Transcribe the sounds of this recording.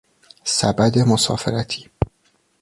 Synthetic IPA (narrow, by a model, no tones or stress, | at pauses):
sæbæd̪emosɒ̰ːfeɾæt̪ʰiː